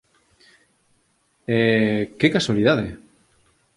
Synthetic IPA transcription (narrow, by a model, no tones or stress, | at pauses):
ekekaswaliðaðe